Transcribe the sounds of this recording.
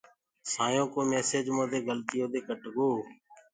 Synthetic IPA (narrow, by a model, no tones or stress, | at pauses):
saːjõːkoːmeːseːd͡ʒmõːd̪eːɡəlt̪ɪjoːd̪eːkəʈɡoː